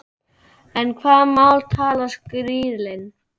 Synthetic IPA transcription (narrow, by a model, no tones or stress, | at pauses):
ɛnkʰvaːðmawlt̪ʰaːlaskɾiːðlɪn